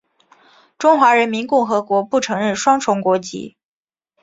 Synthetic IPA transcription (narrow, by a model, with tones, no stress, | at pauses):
ʈ͡ʂʊ˥ŋxwa˧˥ɻə˧˥nmi˧˥nkʊ˥˩ŋxɤ˧˥kwɔ˧˥pu˥˩ʈ͡ʂʰɤ˧˥ŋɻə˥˩nʂwɑ˥ŋʈ͡ʂʰʊ˧˥ŋkwɔ˧˥t͡ɕḭ˧˥